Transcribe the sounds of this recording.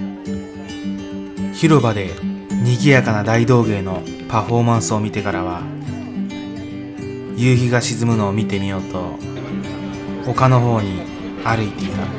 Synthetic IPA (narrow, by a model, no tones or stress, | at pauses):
çiɾo̞bad̪e̞ɲ̟iɡʲijakanad̪aid̪o̞ːɡe̞ːno̞ | paɸo̞ːmãɰ̃sɨo̞mʲit̪e̞kaɾaβ̞a | jɯːçiɡaɕizɨmɯ̟no̞ːmʲit̪e̞mʲijo̞ːt̪o̞ | ho̞kano̞ɦo̞ːɲ̟i | aɾɯ̟it̪e̞it̪a